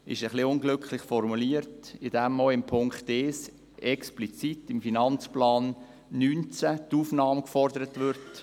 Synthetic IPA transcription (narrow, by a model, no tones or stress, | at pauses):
ɪ̰ʃəχliʊnɡlʏkχlɪχfɔɾmuliəɾtɪd̥ɛmːoɪmpʰʊŋkχteːs | ɛksplit͡sitɪmfinɑnt͡splɑːnː | yːnt͡sætuːfnɑːməkfɔrdəɾətʋʏɾt